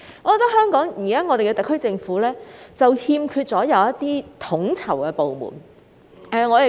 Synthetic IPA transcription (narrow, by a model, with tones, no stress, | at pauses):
ŋɔː˨˧kɔ˧t̪khœː˥ŋkɔː˨˥ŋjiː˨˩kaː˥ŋɔː˨˧ɾe˨kɛ˧t̪ɐ˨kʰːɵ˥ɥt͡sɪ˧ŋfuː˨˥lɛː˥t͡sɐ˨whiː˧mkʰyː˧t̚t͡sɔː˨˥jɐ˨˧wɐ˥t̪ːiː˥t̪ʰʊ˨˥ŋt͡sʰɐ˨˩wkɛː˧po˨wmṵː˨˩n | ɛ˨˧ŋɔː˨˧jɐ˨